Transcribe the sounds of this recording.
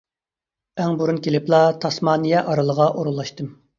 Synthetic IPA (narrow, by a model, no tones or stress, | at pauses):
ɛŋbuɾunkʲʰelɪplˠɑt̪ʰɑsmɑːnɨjɛʔɑɾɨlˠəʁɑʔoɾulˠːɑʃt̪ɨm